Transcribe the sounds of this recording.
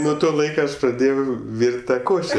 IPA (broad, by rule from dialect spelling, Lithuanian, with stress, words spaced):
nuɔ ˈtoː ˈlˠɐɪkoː ˈɐʃ prɐˈdʲeːjɛʊ ˈʋʲiːrʲtʲ ˈtɑː ˈkoːʃʲɛ